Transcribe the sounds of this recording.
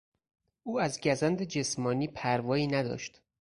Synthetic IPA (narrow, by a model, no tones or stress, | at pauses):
ʔuːæzɟæzænd̪ed͡ʒe̞smɒːniːpʰæɾvɒːiːnæd̪ɒ̰ːʃt̪